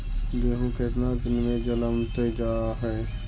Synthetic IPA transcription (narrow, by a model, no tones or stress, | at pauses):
jeːɦũkeːt̪nad̪ɪnmẽd͡ʒələmt̪ed͡ʒaːɾaɦɛː